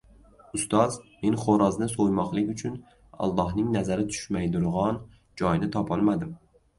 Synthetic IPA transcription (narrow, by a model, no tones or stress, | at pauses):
ʊst̪ɒzme̞nχoɾɒznɪsojmɒqlˠɪkʲʊt͡ʃʰʊn | ɒ̰lˠːɒhnɪŋnazaɾɪt̪ʰʊ̥ʃmajd̪ʊɾʁɑn | d͡ʒɒjnɪt̪ʰɒpʰɒlˠmad̪ɪm